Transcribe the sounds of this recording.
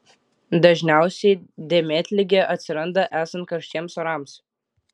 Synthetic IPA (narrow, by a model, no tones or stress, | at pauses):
d̪ɐʒʲnʲæˑʊsʲɛɪd̪ʲeːmʲeːt̪ʲlʲɪɡʲeʔɐt̪ʲsʲɪɾɐnd̪ɐʔæːsɐnt̪̚kɐɾʃʲt͡ʃʲiɛmsɔɾɑːˑms